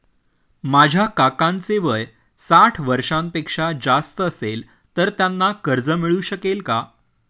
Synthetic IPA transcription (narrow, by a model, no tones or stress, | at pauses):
mad͡ʑʱjakakãnt͡seʋəj | saʈʰʋəɾʂãmpekʂad͡zast̪əəsel | t̪əɾt̪janːakəɾd͡zəmiɭuːɕəkelka